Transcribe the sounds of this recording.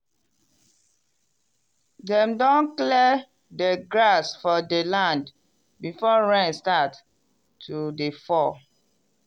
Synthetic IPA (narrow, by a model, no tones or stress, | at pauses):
dɛ̃mdɔ̃nklɛ | dɛɡɹasfɔdelãnd | bifɔɹɛ̃nstatʰː | udefɔ